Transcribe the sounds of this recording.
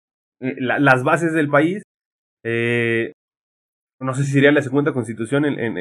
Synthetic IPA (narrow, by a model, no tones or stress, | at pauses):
elalazβas̬e̞zðe̞lpais | e | no̞s̬e̞s̬is̬eɾialas̬eɣund̪ako̞nst̪it̪usjo̞nenʔḛn